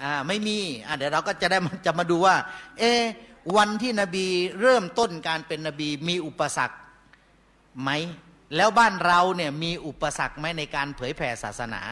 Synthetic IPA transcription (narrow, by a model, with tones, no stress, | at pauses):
ʔaː˧ma˥˩jmiː˧ʔa˧˩diː˨˩˦wɾa˧wkɔː˥˩t͡ɕa˨˩da˥˩jma˧t͡ɕa˨˩ʔmaː˧duː˧waː˥˩ʔeː˧˩wa˧nt̪ʰiː˥˩na˧biː˧ɾɤː˥˩mt̪o˥˩nkaː˧npe˧nːa˧biː˧miː˧ʔu˨˩pːa˧sa̰˨˩k̚ | ma˦˥j | lɛː˦˥wbaː˥˩nɾa˧wni˥˩ɐmiː˧ʔu˨˩pːa˧sa̰˨˩k̚ma˦˥jna˧jkaː˧npʰɤː˩˦jpʰɛː˧sa̰ː˨˩t̪̚sa˧na̰ː˩˦